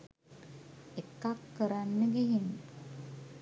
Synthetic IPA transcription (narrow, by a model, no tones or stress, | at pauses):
ekːakːəɾanːəɡiɦin